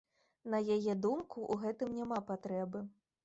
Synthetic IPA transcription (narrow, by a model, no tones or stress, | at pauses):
nɐjajɛd̪umkuʔuɣɛt̪ɨmnʲamapat̪ɾɛbɨ